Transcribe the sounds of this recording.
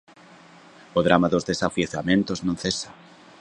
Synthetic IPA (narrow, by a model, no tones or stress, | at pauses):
oðɾamaðozðesafjeθamẽnt̪oznõnθesḁ